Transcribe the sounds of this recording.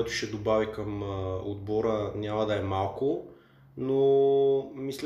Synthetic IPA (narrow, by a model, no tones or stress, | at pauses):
ɛt̪ʊ̥ʃɛd̪obavikɐmo̰d̪̚bɔɾənʲamɐd̪ɐɛmalˠkʊ | no | misl